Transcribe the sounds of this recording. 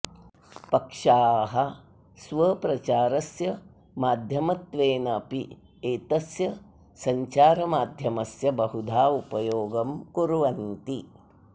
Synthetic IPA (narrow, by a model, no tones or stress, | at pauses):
pɐkʂaːɦɐ | sʋɐpɾɐt͡ʃaːɾɐsjɐ | maːd̪ʱjɐmɐt̪ʋeːnɐpi | eːt̪ɐsjɐ | sɐɲt͡ʃaːɾɐmaːd̪ʱjɐmɐsjɐbɐɦud̪ʱaːupɐjoːɡɐmkuɾuʋɐnt̪i